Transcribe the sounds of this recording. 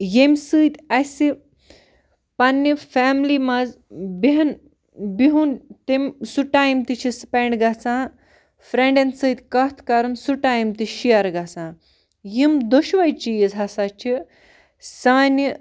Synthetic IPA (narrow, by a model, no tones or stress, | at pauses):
jemsɨt̪ʲasi | panːifamlimaz | biɦɐn | biɦunt̪emsuʈajimt̪it͡ʃʰispeɳɖɡat͡sã | fɾẽɳɖensɨːt̪ʲkɐt̪ʰkaɾɨnsuʈaːjimt̪iɕijaɾɡat͡sãː | jimd̪oɕʋajt͡ʃijizɦasat͡ʃi | sanʲi